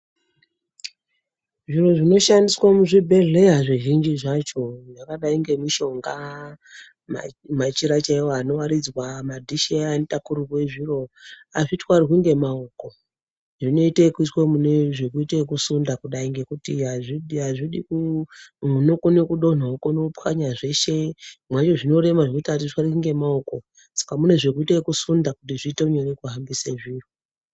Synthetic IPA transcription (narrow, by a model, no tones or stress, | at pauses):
ʐiro̞ʐino̞ʃandiswamuʐibʱe̞ɮe̞ɦaʐiʒind͡ʒiʐat͡ʃo̞ʐakaɗaiŋɡe̞miʃo̞ŋɡa | ma̰mat͡ʃiɾat͡ʃaiwoano̞waɾid͡zwamadʱiʃianitakuɾukwe̞ʐiro̞aʐitwarikuŋɡe̞maoko̞ | ʐino̞itekuitwemuneʐekuitekusundakuɗaiŋɡe̞kutiɦaʐiɗiɦaʐiɗikumunokunekuɗo̞n̤aokonokupaɲaʐe̞ʃe̞mwat͡ʃo̞ʐino̞ɾe̞maʐiitatitwaɾikuŋɡe̞maoko̞ | sḁkamune̞ʐekuiteekusundakutiʐiːteuɲenekuɦambiseʐiro